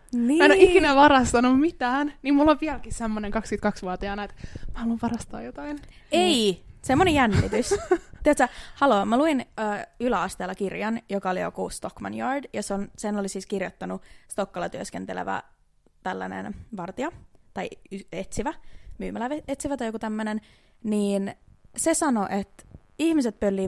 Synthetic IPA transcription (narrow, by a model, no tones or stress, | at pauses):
niːenoʔikinæʋɑɾɑst̪ɑnummit̪æːnnimmulːoʋʋiælkissemːoneŋkɑkskyt̪̚kɑksʋuɑt̪iɑnɑet̪mæhɑluʋʋɑɾɑst̪ɑ̰ːjot̪ɑin | eisemːonejænːit̪yst̪yæt̪sɑhɑloːmæluinəːylæɑst̪eːlːɑkirjɑnjokɑolijo̰kust̪okmɑ̰njɑːrdjɑseonsenolisiːskirjot̪ːɑnust̪o̞kːɑlɑt̪yøskent̪elḛʋæ̰ | t̪ælːænḛnʋɑrt̪iɑt̪ɑiyet̪siʋæmyːmælːæʋeet̪siʋæt̪ɑjokut̪æmːønen | niːnsesɑnoʔet̪ | ihmiset̪̚pølːiː